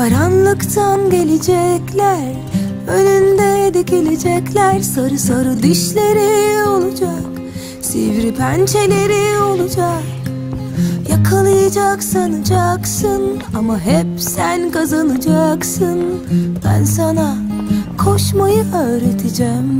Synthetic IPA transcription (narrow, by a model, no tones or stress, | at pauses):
aɾanlˠɯkt̪ʰanɟe̞lʲed͡ʒɛclʲæɾ | ønynd̪ɛd̪icilʲed͡ʒɛclʲæɾsaɾɯsaɾɯd̪iʃlʲe̞ɾio̞lˠud͡ʒak | sḭvɾipʰɛnt͡ʃʰelʲe̞ɾio̞lˠud͡ʒak | jakʰalˠɯjad͡ʒaksanɯd͡ʒaksɯn | amaɦɛp̚sænkʰazanɯd͡ʒaksɯnb̥æ̰nsanakʰo̞ʃmajɯøːɾet̪ʰid͡ʒɛm